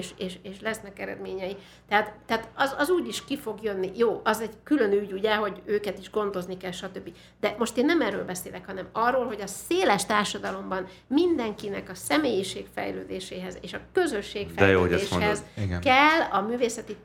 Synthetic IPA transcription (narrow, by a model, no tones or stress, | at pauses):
ʃeːʃeːʃlɛsnɛkɛɾɛ̰d̪meːɲɛji | t̪ɛɦat̪t̪ɛɦat̪ɒzɒzuːɟiʃkifo̞ɡjø̞nːijoːʔɒzɛɟkylø̞nyɟuɟɛɦo̞ɟøːkɛt̪iʒɡo̞nd̪o̞znikɛlʃɒt̪ø̞bːi | d̪ɛmo̞ʃt̪eːnːɛmɛrːø̰ːlbɛseːlɛkhɒnɛmɒrːoːlɦo̞ɟɒseːlɛʃt̪aːrʃɒd̪ɒlo̞mbɒn | mind̪ɛŋkinɛkɒsɛmeːjiʃeːkfɛ̰jløːd̪eːʃeːɦɛzeːʃɒkø̞zø̞ʃːeːkfɛɛjjoøːo̰ɛeːʃhɛziɡkɛlːɒmyːveːsɛt̪i